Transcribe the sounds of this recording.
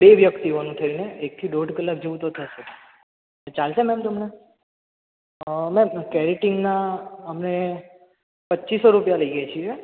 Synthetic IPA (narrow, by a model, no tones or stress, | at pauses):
beʋjəkt̪iʋonũt̪ʰəɾineek̚t̪ʰiɖoɖkəlːak̚d͡ʒəʋũt̪ot̪ʰəset̪ | et͡ʃalsemɛmt̪əmne | mɛmkɛɾiʈɪŋɡnaəmne | pətːʃisoɾupjaləiɡat͡ʃʰie